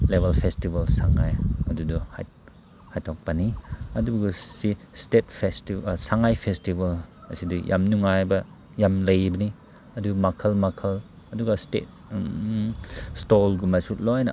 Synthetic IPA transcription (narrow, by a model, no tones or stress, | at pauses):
lebɐlpʰestibɐlsaŋajɐduduha̰j̚ | hajtʰɔk̚baniɐduɡusistet̚pʰestisaŋajpʰestibɐlɐsidujʔa̰mnuŋajbɐ | jamlɐjbɐni | ɐdumakʰɐlmakʰɐl | ɐduɡɐstḛt̚ | stɔlɡumajsutlɔjnɐ